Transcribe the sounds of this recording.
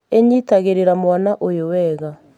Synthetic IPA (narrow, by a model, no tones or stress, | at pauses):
eɲitaɣeɾeɾamwanaʔojowɛɣa